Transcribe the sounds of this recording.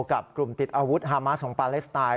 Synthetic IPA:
ka˨˩p̚klu˨˩mt̪i˨˩t̪̚ʔaː˧wu˦˥t̪̚ɦaː˧ma˦˥sʰɔː˩˦ŋpaː˧le˦˥st̪aː˧

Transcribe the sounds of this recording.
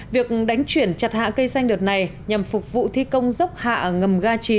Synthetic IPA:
vi˨˩ək̚ɗa˨˦jŋ̟t͡ɕwi˧˩ənt͡ɕa˨˩t̚ha̰ː˧˨kə˧jsa˧jŋɗɨ˨˩ət̚na˨˩j | ɲa˨˩mfʊ˨˩k͡p̚vṵ˧˨t̪ʰi˧kə˧wŋ͡mzə˦˥k͡p̚ha̰ː˧˨ŋə˨˩mɣaː˧t͡ɕi˧˩

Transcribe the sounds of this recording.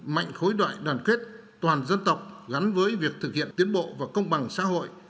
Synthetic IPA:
ma̰˧˨jŋ̟xo˨˦jɗwa̰ː˧˨jɗwaː˨˩nkwi˦˥ət̚ | t̪waː˨˩nzə˧nt̪ə˨˩wk͡p̚ɣa˨˦nvəː˨˦jvi˨˩ək̚t̪ʰɨ˨˩k̚hḭ˧˨ənt̪i˨˦ənɓo̰˧˨vaː˨˩kə˧wŋ͡mɓa˨˩ŋsa̰ː˧˥ɦo̰˧˨jʔ

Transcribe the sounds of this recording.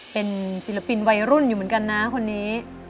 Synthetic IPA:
pe˧nsi˨˩˦la˧pi˧nwa˧jɾu˥˩njuː˨m˩˦nka˧nːa˦˥kʰo˧nːiː˦˥

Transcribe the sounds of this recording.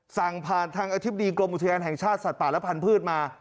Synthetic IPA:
sa˨˩ŋpʰaː˨˩nt̪ʰaː˧ŋʔa˧t̪ʰi˦˥ba˧iː˧klo˧mʔu˨˩t̪ʰa˧jaː˧nɦɛ˨˩ŋt͡ɕʰaː˥˩t̪̚sa˨˩t̪̚paː˨˩lpʰa˧npʰɯː˥˩t̪̚maː˧

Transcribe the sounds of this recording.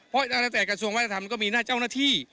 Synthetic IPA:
pʰɔ˧˦˧t̪ʰa˧a˥˧˩t̪ɛː˨˩kɾa˧su˧əŋa˦˥t̪̚ʰa˧˩a˧mkɔː˥˩miː˧naː˥˩t͡ɕa˥˩wnaː˥˩t̪ʰiː˥˩

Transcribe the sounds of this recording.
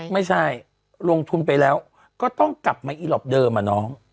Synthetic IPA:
ma˥˩jt͡ɕʰa˥˩j | lo˧ŋt̪ʰu˧npa˧jlɛː˦˥w | kɔː˥˩t̪ɔ˥˩ŋkla˨˩p̚maː˧ʔiː˧˩lɔ˨˩p̚dɤː˧maː˧nɔː˦˥ŋ

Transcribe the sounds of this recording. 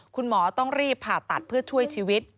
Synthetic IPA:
kʰu˧nmɔː˩˦t̪ɔ˥˩ŋɾiː˥˩pʰːaː˨˩t̪ːa˨˩t̪̚pʰɯ˥˩ɐt͡ɕʰu˥˩əjt͡ɕʰiː˧wi˦˥t̪̚

